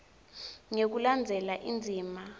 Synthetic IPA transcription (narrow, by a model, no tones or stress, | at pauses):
ŋek̬uland͡zʱɛlaʔind͡zʱiːma